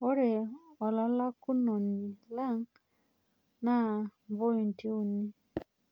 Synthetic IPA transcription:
o˦ɾe˨ɔ˨lɔ˦la˦ku˦nɔ˨n̩˨ni˨la˦˨ŋ˦ | na˦˨bo˦i˨n̩˨ti˦u˨ni˦

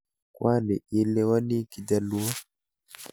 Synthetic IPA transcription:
kwa˦nɛ˨i˦lɛ˦wa˦ni˦ki˨d͡ʒa˨lu˦a˦

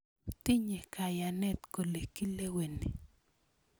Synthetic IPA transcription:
t̪i˦ɲe˨kʰa˨janɛ˦t̪ko˨leki˦le˦we˨ne˨

